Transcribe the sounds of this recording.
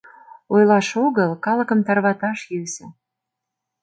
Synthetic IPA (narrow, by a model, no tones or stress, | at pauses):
ojlɑʃoɣəlkɑləkə̆mt̪ɑrβɑt̪ɑʃjysĕ